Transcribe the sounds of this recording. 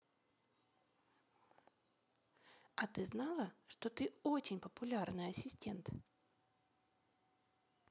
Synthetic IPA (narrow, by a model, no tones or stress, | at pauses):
ɐt̪ɨznɑlˠəʂt̪ot̪ɨot͡ɕɪnʲpəpʊlʲarnɨjɐsʲɪsʲtʲe̞nt̪